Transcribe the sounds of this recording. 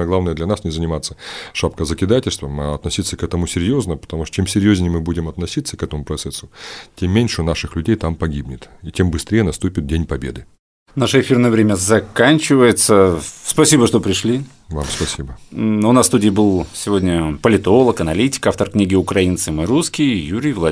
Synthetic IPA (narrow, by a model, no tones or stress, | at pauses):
jəɡlˠavnəjəd̪lʲɐnasnʲɪzənʲɪmat̪səʂapkəzəkʲɪd̪atʲɪlʲst̪vəmaɐt̪nɐsʲit̪sːəkɛt̪əmʊsʲɪɾʲjo̞znəpə̥t̪ɐmuʂt̪t͡ɕemsʲɪɾʲjozʲnʲɪjəmɨbudʲɪmɐt̪nɐsʲit̪səkɛt̪əmʊpɾɐt̪sɛsːʊtʲemːʲenʲʂɨnaʂɨxlʲʉdʲejt̪ampɐɡʲibnʲɪt̪itʲembɨst̪ɾʲejənɐst̪upʲɪt̪̚dʲenʲpɐbʲed̪ɨ | naʂəɪfʲirnəjəvɾʲemʲəzɐkanʲt͡ɕɪvəjɪt̪səspɐsʲibəʂt̪opɾʲɪʂlʲi | vamspɐsʲibəʊnasst̪udʲɪjbɨlˠsʲɪvo̞dʲnʲəpəlʲɪt̪o̞lˠəkɐnɐlʲitʲɪ̥kaft̪ərknʲiɡʲɪʊkɾɐint̪sɨmɨɾuskʲɪjjuɾʲɪjvlˠɐ